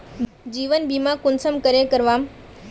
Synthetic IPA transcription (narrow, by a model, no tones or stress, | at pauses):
d͡ʑiːʋənbiːmãkʊnsəmkəɾẽkəɾʋaːm